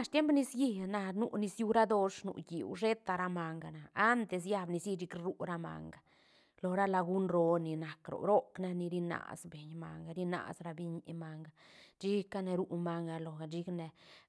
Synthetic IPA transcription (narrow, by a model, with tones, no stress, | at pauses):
a˧ʂt̪je˦mpni˧sji˧na˧nṵ˦˧ni˧sju˧ɾa˦d̪o˧ʂnṵ˨jḭ˨wʐe˦t̪a˧ɾa˦ma˧ŋɡa˨naː˨˦nt̪e˨s̬ja˦bni˧si˦˧t͡ʃi˧˦kɾu˦ɾa˦ma̰˨ŋɡa˨ | lo˨ɾa˦la˧ɡu˦nɾo˧ni˨na˨kɾo̰˨ɾo˦kna˧ni˧ɾi˧na̰˨sbe˨ɲma̰˨ŋɡa˧ɾi˦na̰˨sɾa˧bi˧ɲi˨ʔma˧ŋɡa˨t͡ʃi˦ka˦ne˧ɾu˦ʔma˧ŋɡa˧lo˨a˨d͡ʒi˦kne˨